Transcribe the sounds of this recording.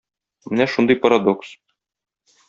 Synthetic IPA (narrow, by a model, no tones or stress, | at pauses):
mɘnæʃund̪ɤjpɐɾad̪oks